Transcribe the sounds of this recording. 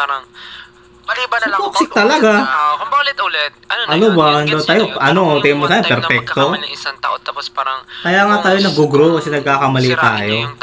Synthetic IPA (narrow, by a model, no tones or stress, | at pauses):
spoksɪk̚t̪ɐlɐɡa | ʔɐnobakɐnd̪ɐnt̪aːjoʔɐnoot̪ɛmosaːjɐpɛɾfɛk̚t̪o | kɐjaːŋaːt̪aːjonɐɡoɡɾokɐsɛnɐɡ̚kaːkɐmɐlit̪a̰ːjo